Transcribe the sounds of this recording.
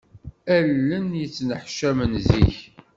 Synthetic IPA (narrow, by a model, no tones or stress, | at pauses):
ælːənjət͡sːnəħʃæmənziç